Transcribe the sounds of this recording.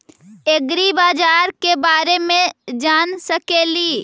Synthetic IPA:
eɡɾibaːd͡ʒaːɾkebaːɾemẽd͡ʒaːnsəkeːliː

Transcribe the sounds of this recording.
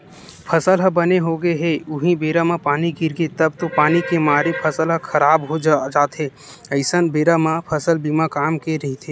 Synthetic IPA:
pʰəsəlɦəbəneɦoɡeɦeʊɦĩbeːɾamãpaːniɡɪɾɡet̪əb̚t̪opaːnikemaːɾepʰəsəlɦəkʰəɾaːbɦod͡ʒd͡ʒaːt̪ɦe | əɪsənbeːɾamãpʰəsəlbimãkaːmkeɾəɦit̪ʰe

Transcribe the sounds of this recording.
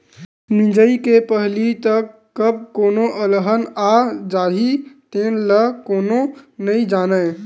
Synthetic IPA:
nid͡ʒəikepəɦlit̪əkːəb̚koːnoʔələɦənaːd͡ʒaːɦit̪eːnləkoːnonəĩd͡ʒaːnə

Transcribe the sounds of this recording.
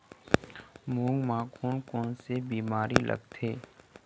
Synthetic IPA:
mũːŋɡmãːkʰuːnkɔːnsebiːmaːɾilʔə̰ɡt̪ʰeː

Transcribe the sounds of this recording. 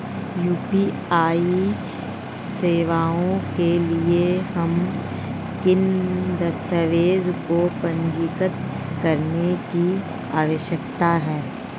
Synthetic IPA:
juːpi | aːi | seːʋaːõkeliehɐm | kɪnd̪ɐst̪əʋeːzkopɐ̃ɲd͡ʒɪkət̪ | kɐɾneki | aːʋəʃjəkt̪aɦɛː

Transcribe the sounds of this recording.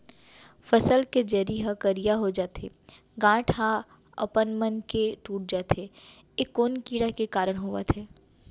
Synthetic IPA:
fɐsəlked͡ʒeːɾiɦakəɾijaɦod͡ʒaːt̪ḛ | ɡãːʈʰa | ɐ̰pənmənkeʈuːʈ̚d͡ʒaːt̪ʰeː | ekːoːnkiːɽakekaːɾəɽ̃ɦʊa̰t̪ʰeː

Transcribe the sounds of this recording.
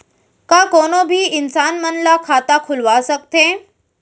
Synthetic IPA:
kãkonobʱiːɪnsaːnmənlakʰat̪akʰulʋasək̚t̪ẽ

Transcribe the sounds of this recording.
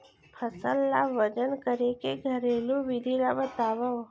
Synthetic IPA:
pʰəsəlːaʋəd͡ʒənkəɾekeɡʱəɾelũʋid̪ʱilabət̪aːʋə

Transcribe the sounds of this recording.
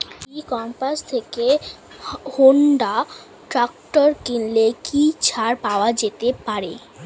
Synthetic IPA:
ikɔmpast̪ʰeke | hoɳɖa | ʈɾakʈoɾkinlekit͡ɕʰaɾpaoad͡ʑet̪epaɾe

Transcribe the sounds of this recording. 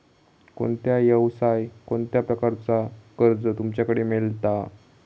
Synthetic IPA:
ko̰ɳt̪jajəwsajkoɳt̪japɾəkaɾt͡sakəɾd͡zət̪umt͡ɕjakəɽemelt̪a

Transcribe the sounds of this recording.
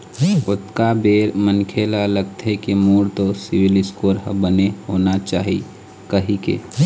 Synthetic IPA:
ʊt̪kabeːɾmənkʰelaləɡ̚t̪ɦekimuːɽt̪osɪwɪlɪskoːɾɦəbənehoːnat͡ʃaːɦḭ | kəɦikḛ

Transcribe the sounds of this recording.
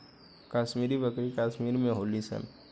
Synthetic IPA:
kaːʃmiːɾibəkɾikaːʃmiːɾmẽɦoːlisɛ̰n

